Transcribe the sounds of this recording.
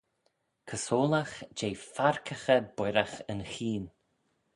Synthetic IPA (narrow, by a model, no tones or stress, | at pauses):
kʰəsoːlaxd͡ʒeːfaɹkʰəxəbwɪɾaxənxiːn